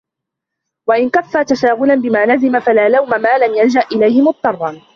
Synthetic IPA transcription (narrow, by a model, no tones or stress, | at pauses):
waʔɪnkafːaːt̪aʃaːɣʊlanbɪmaːlazɪmafalaːlawmamaːlamjand͡ʒaʔʔɪlajhɪmʊt̪̚ˤːɑrˤːɑn